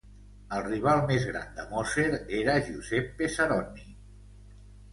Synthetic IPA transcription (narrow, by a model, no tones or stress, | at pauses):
əlˠriβ̞alˠmezɣɾa̰nd̪əmɔseɾeɾəʒuzɛpːesəɾɔni